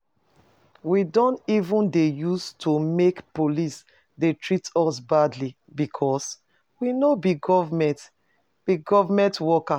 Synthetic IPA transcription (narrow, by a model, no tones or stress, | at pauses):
widɔ̃ntivũndejustʰumekpolis | detʰɹitɔsbadli | bikʰɔs | winobiɡɔvmɛ̃nt | b̥iɡɔvamɛ̃ntwɔka